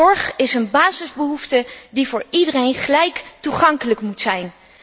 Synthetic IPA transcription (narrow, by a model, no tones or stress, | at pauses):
ɔɹχɪsənbaːzɪzbəɦuftədivʊːɹidərejnχəlɛjktuχɑŋkələkmutsɛjn